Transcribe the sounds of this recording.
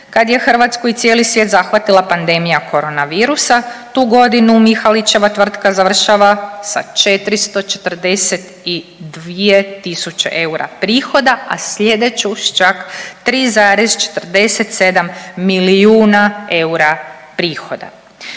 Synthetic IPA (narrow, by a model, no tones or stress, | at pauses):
kad̪je̞xr̩ʋat̪skoit̪sjelisʋje̞ːt̪zaxʋat̪ilˠapand̪e̞mijakʰo̞ɾo̞naʋiːɾusat̪uːɡo̞d̪inumixalit͡ʃe̞ʋat̪ʋr̩t̪kazaʋr̩ʃaʋasa̰t͡ʃe̞t̪ɾist̪o̞t͡ʃe̞t̪r̩d̪e̞set̪ | id̪ʋije̞t̪isut͡ʃḛʔe̞uɾa̰pɾiːxo̞d̪aa̰sʎe̞d̪e̞t͡ʃuʃt͡ʃakt̪ɾiːzaːɾezt͡ʃe̥t̪r̩d̪e̞set̪se̞d̪amːilijuːnae̞uɾapɾiːxo̞d̪a̰